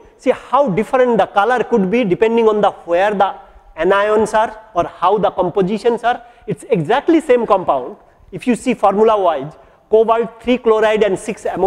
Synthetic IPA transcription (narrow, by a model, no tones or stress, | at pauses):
sihawɖifʰɾẽɳʈ̚d̪ɐkaləɾkuɖbiɖipẽɳɖĩŋɔ̃nd̪ɐheəɾd̪aɛnajɔ̃nsaɾɔɾhawd̪ɐkɔ̃mpod͡ʒiʃə̃nsaɾ | iʈseɡzæk̚ʈlisẽːmkɔ̃mpãʊ̃ɳɖ | ifʰjusifʰɔɾmjulawajd͡ʒ | koʋəlʈ̚t̪ʰɾiːkloɾajɖɛ̃ɳɖsiksem